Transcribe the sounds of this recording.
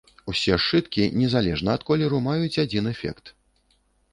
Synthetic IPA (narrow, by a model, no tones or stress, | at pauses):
usʲɛʂɨt̪kʲinʲɛzalʲɛʐnɐːt̪kɔlʲɛɾumajut͡sʲad͡zʲinɛfʲɛ̰kt̪